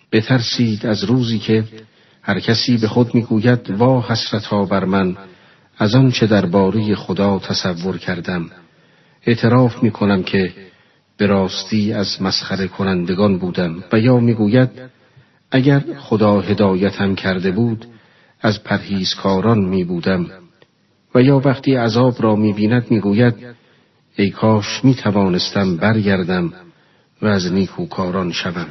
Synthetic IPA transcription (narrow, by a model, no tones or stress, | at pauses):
b̥e̞t̪ʰæɾsiːd̪æzɾuːziːcʰe̞ | hæɾcʰæsiːbe̞χo̞d̪miːɡuːjæd̪bɒːhæsɾæt̪ʰɒːbæɾmæn | æzɒnt͡ʃʰe̞d̪æɾbɒːɾe̞je̞χod̪ɒːt̪ʰæsævːo̞ɾcʰæɾd̪æm | e̞ʔt̪ʰe̞ɾɒːfmiːkʰo̞næmcʰe̞ | b̥e̞ɾɒːst̪iːæzmæsχæɾe̞kʰonænd̪e̞ɡɒːnbuːd̪æmvæjɒːmiːɡuːjæd̪̚ | ʔæɟæɾχod̪ɒːɦe̞d̪ɒːjæt̪ʰhæmcʰæɾd̪e̞buːd̪ | æzpʰæɾhiːz̥kʰɒːɾɒnmiːbuːd̪æm | væjɒːvæχt̪ʰiːæzɒːbɾɒːmiːbiːnæd̪miːɡuːjæd̪̚ | ejkʰɒːʃmiːt̪ʰævɒːnest̪æmbæɾɡæɾd̪æm | væːzniːkʰuːkʰɒːɾɒnʃævæm